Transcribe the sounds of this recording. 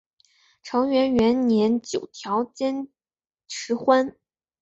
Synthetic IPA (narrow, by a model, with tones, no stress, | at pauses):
ʈ͡ʂʰɤ˧˥ŋɥɛ˧˥nɥɛ˧˥nnjɛ˧˥nt͡ɕjo˨˩ʊt̪ʰjɑ˧˥ʊt͡ɕjɛ˥n | ʈ͡ʂʰɻ̩˧˥xwa˥n